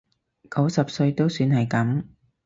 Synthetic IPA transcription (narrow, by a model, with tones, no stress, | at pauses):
kɐ˨˥wsɐ˨p̚sɵ˧ɥt̪o˥wsyː˧nhɐ˨jkɐ˨˥m